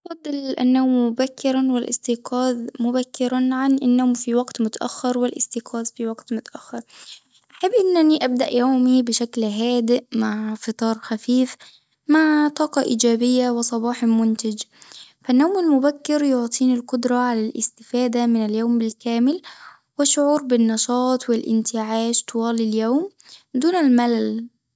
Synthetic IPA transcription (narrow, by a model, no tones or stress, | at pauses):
ʔfɑd̪ˤːɨlʔa̰nːawmːʊbakːɪɾˤɑnwɪlʔɪ̰st̪iːqɑːðmʊbækːɪɾanʕanʔɪnːowmfiwaɡt̪mʊt̪aʔa̰xːɪɾˤwɪlʔɪ̰st̪iqʰɑːzfiwaɡt̪mʊt̪aʔaxːɑɾˤ | ʔaħabːʔɪnːʔæniʔab̚d̪aʔjawmibɪʃaklɦæːd̪ɪʔmaʕfɨt̪ˤɑːɾˤxafiːf | maʕt̪ˤɑːqɑʔḭːd͡ʒæːbɪjːawɪsˤɑbɑːħmʊnt̪ɪd͡ʒfænːowmɪlmʊbækːɪɾjoʕt̪ˤʰiːnɪlqʊd̪ɾˤɑʕalælʔɪ̰st̪ɪfaːd̪amɪnɪljoːmbɪlkæːmɪl | wɪʃːʊʕuːɾbɪnːɑʃɑːt̪ˤwɪlʔɪ̰nt̪ʰɪʕaːʃt̪ʰʊwɑːliljoːm | d̪uːnɪlmælæl